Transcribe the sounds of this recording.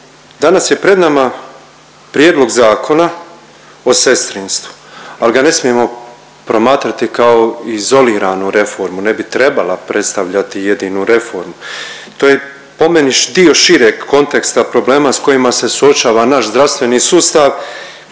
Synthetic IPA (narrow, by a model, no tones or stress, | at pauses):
d̪anasje̞pɾe̞d̪nama | pɾjeːd̪lˠo̞ɡzaːkʰo̞na | o̞se̞st̪ɾinst̪ʋu̥aliɡane̞smije̞mo̞ | pɾo̞maːt̪ɾat̪ikao̞izo̞liːɾanuɾe̞fo̞ɾmune̞bit̪ɾe̞balapɾʔe̞t̪st̪aʋʎat̪ije̞d̪inuɾe̞fo̞ɾmu | t̪o̞ːje | po̞meniʃd̪io̞ʃiɾeɡko̞nt̪e̞kst̪apɾo̞ble̞ːmasko̞jimase̞suo̞t͡ʃaːʋanaʃzd̪ɾaʋst̪ʋe̞nisuːst̪aʋ